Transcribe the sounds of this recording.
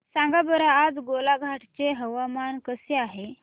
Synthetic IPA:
sãŋɡabəɾaːd͡zɡolaɡʱaʈt͡seɦəʋamankəseaɦe

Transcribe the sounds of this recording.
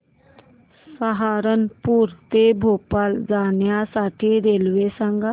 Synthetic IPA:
səɦaɾənpuːɾt̪ebʱopald͡zaɳjasaʈʰiːɾelʋesaŋɡa

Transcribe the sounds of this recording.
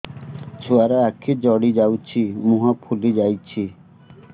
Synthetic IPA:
t͡ʃʰuaɾeakʰid͡ʒɔɽid͡ʒawt͡ʃʰimũɦapʰulid͡ʒajt͡ʃʰi

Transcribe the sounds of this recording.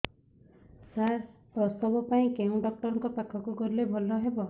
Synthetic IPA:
saɾpɾɔst̪ɔbɔpaĩkeũɖɔk̚ʈɔɾɔŋkɔpakʰːɔkukɔɾilebʱɔlɔɦebɔ

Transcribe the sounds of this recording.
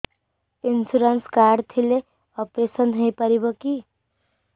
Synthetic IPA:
insuɾənskaɾɖt̪ʰile | ɔpɾesənɦəjpʌɾibʌki

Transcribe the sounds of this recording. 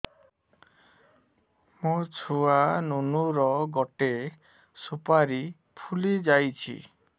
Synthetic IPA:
mot͡ʃʰuanunuɾɔɡɔʈe | supaɾi | pʰulid͡ʒajt͡ʃʰḭ

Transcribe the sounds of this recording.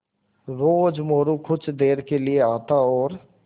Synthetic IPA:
ɾoːd͡ʒmoːɾukʰʊt͡ʃʰd̪eːɾkelieaːt̪aɔːɾ

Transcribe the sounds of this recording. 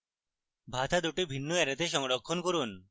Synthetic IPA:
bʱat̪ʰad̪uʈibʱinːoeɾet̪eʃɔŋɾokʰːonkoɾun

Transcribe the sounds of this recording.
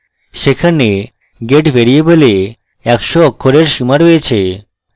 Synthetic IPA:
ʃekʰane | ɡeʈbeɾiebole | ɛkʃoɔkʰːoɾeɾʃimaɾojet͡ɕʰe

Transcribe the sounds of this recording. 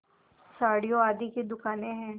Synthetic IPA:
saːɽijoaːd̪iked̪ʊkaːneɦɛ̃ː

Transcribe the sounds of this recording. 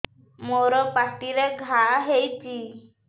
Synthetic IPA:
moɾɔpaʈiɾeɡʱaɦejti

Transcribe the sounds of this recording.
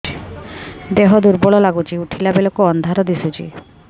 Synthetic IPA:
d̪eɦɔd̪uɾbɔɭɔlaɡut͡ʃiuʈʰilabelokoɔnd̪ʱaɾɔd̪isut͡ʃḭ

